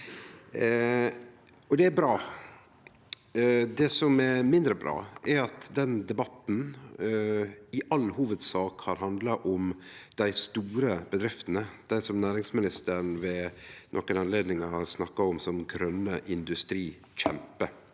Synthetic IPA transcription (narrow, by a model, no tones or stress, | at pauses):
ɔd̪ɛæbɾɑː | d̪ɛsɔmɛɾmɪnd̪ɾəbɾɑ̰ːʔɛɾɑt̪d̪ɛnd̪ɛbɑt̪n̩ | ɪʔɑlhuːʋəd̪sɑːkhɑɾɦɑnd̪lɑʔɔmd̪̥æɪst̪uːɾəbəd̪ɾɪft̪ənəd̪̥æɪsɔmnæːɾɪŋsmɪnɪst̪əɾɳʋɛnʔɔ̰kːənɑnleːd̪nɪŋəhɑɾsnɑkːɑɔmsɔmɡɾœnːəʔɪnd̪ʉst̪ɾiː | çɛ̰mpə